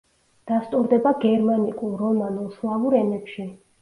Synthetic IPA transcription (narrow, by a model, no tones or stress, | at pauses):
d̪̥ast̪ʼuɾd̪ɛbaɡɛɾmanikʼulɾɔmanulˠslˠavuɾɛnɛpʃi